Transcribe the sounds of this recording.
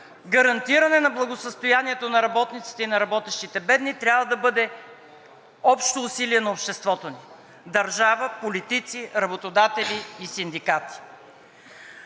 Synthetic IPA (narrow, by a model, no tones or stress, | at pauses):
ɡəɾɐnt̪iɾənɛnɐblˠɐɡosəst̪ojaniɛt̪onɐɾɐbɔt̪nit̪si̥t̪ɛinɐɾɐbɔt̪ɛʃt̪it̪ɛbɛd̪nit̪ɾʲjavəd̪ɐbɤd̪ɛ | ɔpʃt̪oːsiliɛnɐopʃt̪ɛst̪vɔt̪oni | d̪ɐɾʒavəpolit̪it̪siɾɐbot̪od̪at̪ɛliːsind̪ikat̪i̥